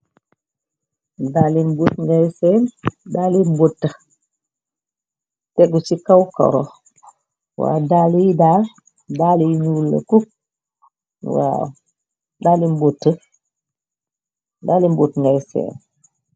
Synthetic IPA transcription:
daːlimbutŋɡajseːndaːlimbotːə | tɛɡusikawka̰ɾo̰ | wa̰ːdalijidal | dalijiɲulːɐ̰kuk̚ | wa̰ | daːlimbotːə | daːlimbotŋɡajsḛːn

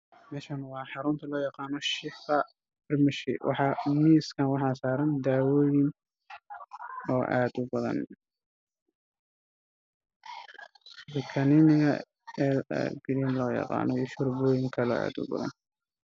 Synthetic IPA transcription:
mɛːʃɐnwɑːħɑɾʊnt̪ʰɐlɔːjɑqɑːnɔʃɪfqɐ | bɪrmɪʃɪ̰wʔɑ̰ħɑːmiːskʰɐnwɑħɑːsaːɾɐnd̪aːwɔːjɪn | ɔːʔaːd̪ʊbɐðɐ̰n | wɪkʰɐnɪnɪɐ̰ | ɛl̰ɡɾiːnlɔːjɑ̰qɑ̰ːnɔiːʃʊrbɔːjɪŋkʰɐlɔ̰ːa̰ːd̪ʊ̰bɐ̰ðɐ̰n

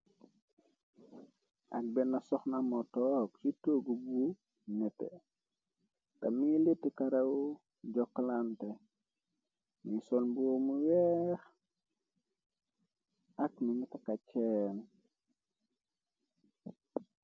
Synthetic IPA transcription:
ʔɐk̚bɛnːasɔxnamɔtɔksitoɡubu | nɛtɛ̰ | tɐmilitːikaɾew | ɟɔkːlantɛ | misɔlbuwomuwɛːx | ʔɐkmiɲitakacɛn

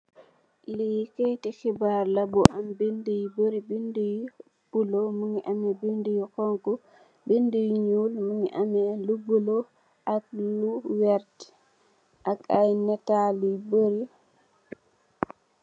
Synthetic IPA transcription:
lejikejtɛxibaɾlabɔʔambendejboɾibindej | b̥ulɔmuŋiʔamɛbindijikɔŋkɔ | bendejɲuːlmuŋiʔamɛlubulɔ | ʔakluwɛɾtɛ̥ | ʔakajnɛtaliboɾi

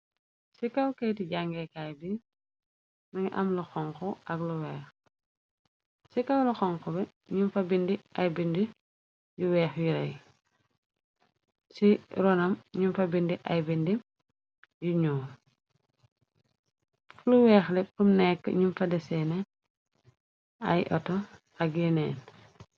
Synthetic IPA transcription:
sikɐwkɛjtiɟaŋɡɛkajbi | mɐɲʔɐ̰mlɐxɔŋkɔʔɐɡlɔwɛːx | sikɐwlɐxɔŋkɔbɛ | ɲumfɐbindiʔɐjbindi | juwɛːxjuɾɐj | siɾɔnɐmɲumfɐbindiʔɐjbindi | juɲɔː | luwɛːxlɛpɾumnɛkːə̰ɲumfɐdɛsɛnɛ | ɐ̰jʔɔ̰tɔ | ɐɡjɛnɛːn

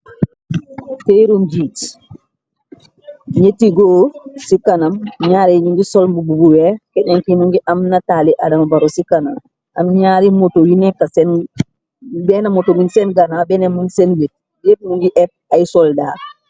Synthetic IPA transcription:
teɾumd͡ʒiːt | ɲetiɡoːsikanɐmɲaːɾeɲuŋɡisolmbububuwekeɲaŋkimuŋɡiʔamnataliʔadɐmabaɾosikanam | amɲaːɾimotojinekːasen | bɛnamotominsɛnɡanabɛnemunsenlet̚ | jep̚muŋɡiʔɛp̚ajsɔldaː

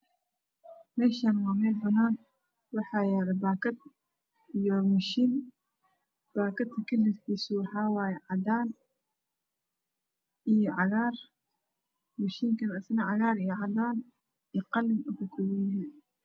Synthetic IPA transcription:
mɛːʃaːnwaːmɛːlbɐnaːn | wɑħɑːjaːɾɐbaːkɐd̪̚ | ijɔmʊʃiːn | b̥aːkɐd̪kʰɐkʰɐlɪɾkʰiːsʊwɑħɑːwaːjɛʕɑd̪aːn | ʔijɔʕɑɣaːr | mʊʃiːŋkʰɐnɐsnɐʕɑɣaːɾijɔʕɑd̪aːn | iqɑlmʊkʊkʰʊwijɪɦin

